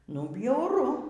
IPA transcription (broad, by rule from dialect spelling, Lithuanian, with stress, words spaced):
nʊ bʲjɛʊˈrʊ